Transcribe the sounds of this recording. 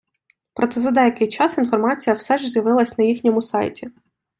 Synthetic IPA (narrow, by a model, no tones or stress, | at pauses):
pɾʔɔt̪ɛzɐd̪ɛjɐkɪjt͡ʃɑsinfɔrmɑt͡sʲijɐwsɛʒzʲjɐʋɪlˠɐsʲnɐjixnʲɔmʊsɑjtʲi